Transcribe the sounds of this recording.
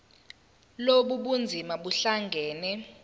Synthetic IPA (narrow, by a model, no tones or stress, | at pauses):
loɓuɓund͡zʱimaɓuɬaŋɡʱɛːnɛ